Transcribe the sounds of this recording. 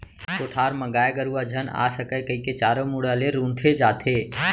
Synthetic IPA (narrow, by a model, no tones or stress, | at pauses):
koːʈʰaːɾməɡaːeɡəɾuad͡ʒʱəna̰ːsəkəjkəiket͡ʃaːɾomuɽaleɾũːnt̪ʰed͡ʒaːt̪ʰeː